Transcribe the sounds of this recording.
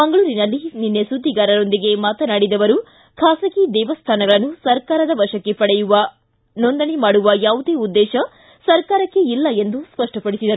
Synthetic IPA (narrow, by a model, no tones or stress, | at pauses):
mɐŋɡɐɭuːɾinɐlːininːesud̪ʱːiɡaːɾɐɾo̞nd̪iɡe̞maːt̪ɐnaːɽid̪ɐʋɐɾu | kʰaːsɐkid̪ɛːʋɐst̪ʰaːnɐɡɐɭɐnːusɐɾkaːɾɐd̪ɐʋɐʂɐkːe̞pɐɽɛjuʋɐ | nond̪ɐnemaːɽuʋɐjaːʋud̪e̞ːud̪ːɛːʃɐ | sɐɾkaːɾɐkːe̞ilːɐe̞nd̪uspɐʂʈɐpɐɽisid̪ɐɾu